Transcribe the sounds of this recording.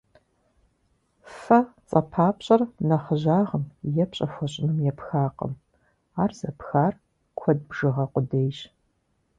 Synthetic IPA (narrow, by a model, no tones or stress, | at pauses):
fɐt͡sʼɐpʰaːpɕʼɐrnɐχəʑaːʁəmjɛpɕʼɐfʷɔɕʼɪnɨmjɛpxaːqə̰m | aːrzɐpxaːr | kʷʰɔd̚bʒɨʁɐqʷʊdejɕ